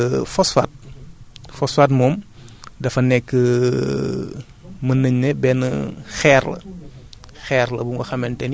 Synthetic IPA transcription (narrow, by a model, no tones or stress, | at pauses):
fɔsfa̰ːt̚ | fɔsfaːtmɔːmdɐfɐnɛkːə | mɐnəɲnɛbɛnəxɛːrlɐ̰ | xɛːɾlɐbuŋɡɔxɐmɛntɛn